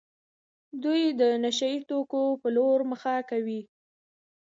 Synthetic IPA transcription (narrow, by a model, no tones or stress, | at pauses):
d̪ujd̪ənaʃait̪okopəloɾməxakawi